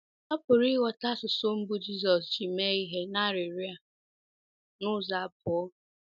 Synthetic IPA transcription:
ɔ˦pʊ˨ɾi˦wɔ˨ta˦sʊ˨so˦m̩˦bu˦d͡ʒi˦s̬ɔ˨sd͡ʒi˨me˦i˦ɦe˦na˦˨ɾɪ˨ɾi˦a˨ | nʊ˦za˨pʊ˨ɔ˦

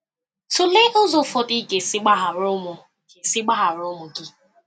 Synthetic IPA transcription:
tʊ˨le˦ʔo˦zo˦fo˦tɪ˦ɡe˨sɪ˦ɡ͡ba˦ɦa˨ɾʊ˦mʊ˨ | ke˨sɪ˦ɡ͡ba˦ɦa˨ɾʊ˦mʊ˨ɡɪ˦

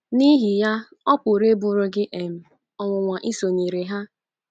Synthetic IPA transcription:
ni˦ɦi˨ja˦ | ɔ˦pʊ˨ɾe˦bʊ˨ɾʊ˨ɡɪ˦ʔe˨m̩˨ | ɔ˨ŋʷʊ˨ŋʷa˨ʔi˦so˨ɲi˨ɾe˨ɦa˦

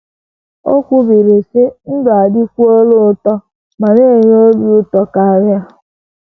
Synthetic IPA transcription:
o˦kʷʊ˦bi˨ɾi˨sɪ˦n̩˦dʊ˨a˨dɪ˦kʷu˦o˦lʊ˦tɔ˦ | ma˨ɾe˦˨ɲ˦o˦bʊ˦tɔ˦ka˨a˨ɾja˦

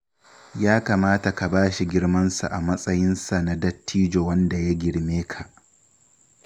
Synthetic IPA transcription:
jaː˦kaː˨maː˦ta˨ka˨baː˦ʃi˨ɡʲɪ˦ɽmɐ˦nsa˨ʔa˨mɐ˦sʼɐ˦jɪ˦nsa˨na˦dɐ˦tːiː˦d͡ʒoː˨wɐ˦nda˨ja˦ɡʲɪ˨ɽmeː˦kʰa˨ʔ

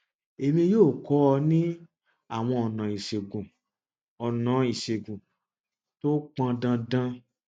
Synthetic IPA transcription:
e˨mĩ˧joː˦˨kɔ˨˦ɔ˧nĩ˦ | a˦˨w̃ɔ̃˧ɔ˨nã˨i˨ʃe˨ɡũ˨ | ɔ˨nã˨˦i˨ʃe˨ɡũ˨ | to˦k͡pã˧dã˧dã˧

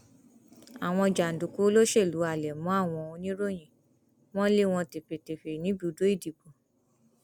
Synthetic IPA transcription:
a˨w̃ɔ̃˧d͡ʒa˨n̩˨du˨ku˨˦lo˦ʃe˦˨lu˨˦a˨lɛ˨mɔ̃˨˦a˦˨w̃ɔ̃˧õ˧nĩ˦ɾo˦˨j̃ĩ˨ | w̃ɔ̃˦le˦˨w̃ɔ̃˧te˨fe˨te˨fe˨nĩ˨˦bu˦˨do˨˦i˦˨di˨bõ˨

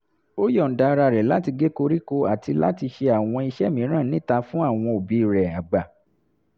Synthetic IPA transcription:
o˦jɔ˦˨n̩˨da˨˧ɾa˧˨ɾɛ˨la˨˦ti˧ɡe˦ko˧ɾi˦ko˧a˨ti˧la̰˦ti˧ʃe˧a˨w̃ɔ̃˧i˧ʃɛ˦˨mĩ˨˦ɾ̃ã˦˨nĩ˦ta˧fũ˦a˦˨w̃ɔ̃˧o˨bi˨˦˨ɾɛ˨a˨ɡ͡ba˨

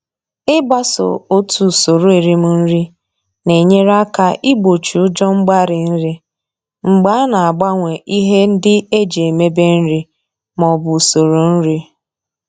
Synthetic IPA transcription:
ɪ˦ba˦so̰˨o˦tu˨so˨ɾo˦e˨ɾi˦mʊ˨n̩˦ɾi˦ | ne˨ɲe˦ɾa˦ka˦ʔi˦ɡ͡bo˨t͡ʃu˨ʊ˦d͡ʒɔ˦ŋ͡m̩˦ɡ͡ba˦ɾɪ˨n̩˦ɾi˦ | ŋ͡m̩˨ɡ͡ba˨˦na˨a˨ɡ͡ba˦ŋʷe˨ʔi˦ɦe˦n̩˦dɪ˦e˦d͡ʒe˨e˨me˦be˦n̩˦ɾi˦ | mɔ˨bʊ˨so˨ɾo˨n̩˦ɾi˦

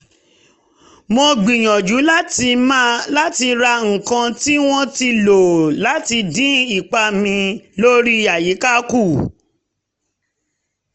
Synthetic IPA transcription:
mo˧ɡ͡bi˨j̃ɔ̃˨d͡ʒu˨˦la˦ti˧ma˦la˦ti˧ɾa˧ŋ̩˨kã˧ti˦w̃ɔ̃˦ti˧lo˨la˨˦ti˧dĩ˦i˦˨k͡pa˧mĩ˧lo˦ɾi˦a˨ji˨˦ka˦ku˦˨

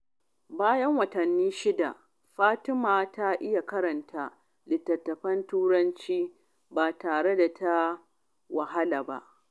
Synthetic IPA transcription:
baː˦jɐ˦ŋwɐ˨tɐ˨nːiː˦ʃɪ˦da̰˨ | ɸaː˦tɪ˦maː˨ta˦ʔɪ˦ja˨kɐ˦ɾɐ˨ntʰaː˦ | lɪ˨tːɐ˨tːɐ˨ɸɐ˦ntuː˦ɾɐ˦nt͡ʃiː˦ | baː˨taː˨ɽe˦da˨tʰa˦ | wa˨ɦa˦laː˨ba̰˦ʔ

